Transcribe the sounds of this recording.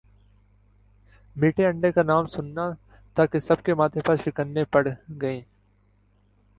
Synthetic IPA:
miːʈʰeɐ̃ɳɖekanaːmsʊnːa | t̪aːkesɐb̚kemaːt̪ʰepɐɾʃɪkənːepɐɽɡɐẽː

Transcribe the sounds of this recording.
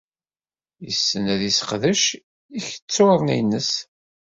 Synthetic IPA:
jəsːənæðisqðəʃ | içə̥t͡sːoɾˤnḭnːəs

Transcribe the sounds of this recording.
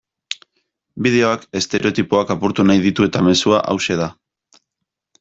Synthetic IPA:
biðe̞o̞ake̞st̪e̞ɾe̞o̞t̪ipoakapuɾt̪unajðit̪ue̞t̪ame̞suaʔa̰wse̞ða

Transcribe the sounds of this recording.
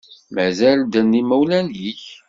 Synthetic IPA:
mæzæld̪ənːimæwlænjiç

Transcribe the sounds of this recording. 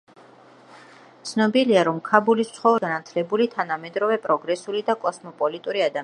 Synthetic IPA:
t̪sʰnɔbiliaɾɔmkʰabulist̪sʰχɔvɾɡanat̪ʰlɛbulit̪ʰanamɛd̪ɾɔvɛpʼɾɔɡɾɛsulid̪akʼɔsmɔpʼɔlit̪ʼuɾiad̪a

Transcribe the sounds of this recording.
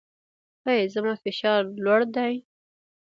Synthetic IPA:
ajezəmafɪʃɑɾlwaɽd̪aj

